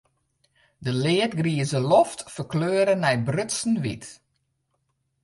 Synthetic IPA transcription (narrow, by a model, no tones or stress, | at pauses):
dəlɪətɡriəzəlɔftfərkløːɾənɛjbrʏtsn̩ʋḭt